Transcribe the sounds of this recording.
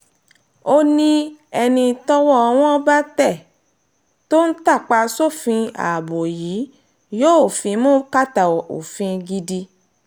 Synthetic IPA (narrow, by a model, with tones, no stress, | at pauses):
o˦nĩ˦ɛ˧nĩ˧tɔ˦wɔ˦ɔ˧w̃ɔ̃˦ba˦tɛ˦˨ | to˦n̩˦ta˦˨k͡pa˧so˦˨fĩ˧a̰˨bo˨ji˨˦ | jo˦o˨fĩ˨˦mũː˦ka˦˨ta˨o̰˨fĩ˧ɡi˧di˧